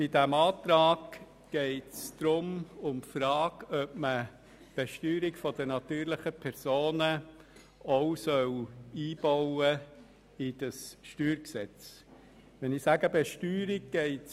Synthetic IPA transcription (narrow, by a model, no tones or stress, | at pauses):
b̥ɪdæmɑːtɾɑːɡ | ɡ̥ɛɪtsd̪̥ɾʊmʊmfɾɑːɡœp̚mə | b̥ɛʃtyːɾɪkfɔd̥ənɑt̪yːɾlɪχəpʰɛɾsoːnə | oʊsœwiːb̥ɔʊə | ɪd̥əsʃtyːɾksɛt͡s | ʋɛnɪsæɡəbɛʃtyːɾɪɡ̚ɡ̥ɛɪt